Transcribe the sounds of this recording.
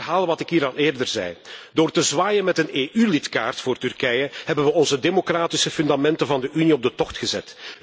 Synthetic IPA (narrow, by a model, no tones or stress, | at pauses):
ɦaːlˠəʋɑtɪkɦiːɾɑneːrdərzɛ̰jdoːrtəzʋaːjənmɛtəneːʔylɪtka̰ːrtfʊːrtyrkɛjəhɛbənʋəɔnzədemokraːtisəfʏndamɛntəvɑndəʔyniɔb̚dətɔxtxəzɛ̰t